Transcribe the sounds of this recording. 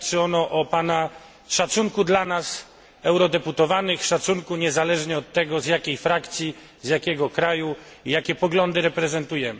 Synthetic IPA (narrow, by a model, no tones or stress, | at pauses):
t͡ʂɨɔnɔʔɔpana | ʂat̪suŋkud̪lanas | ɛwɾɔd̪ɛput̪ɔvanɘxʂat̪suŋkuɲɛzalɛʐɲɛɔt̪ːɛɡɔzjakʲejfɾakt̪sʲji | zjakʲɛɡɔkɾaju | ijakʲɛpɔɡlɔnd̪ɘɾɛpɾɛzɛnt̪ujɛmɘ